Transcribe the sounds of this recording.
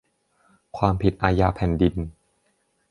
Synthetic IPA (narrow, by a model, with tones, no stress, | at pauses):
kʰwaː˧mpʰi˨˩t̪̚ʔaː˧jaː˧pʰɛː˨˩ndi˧n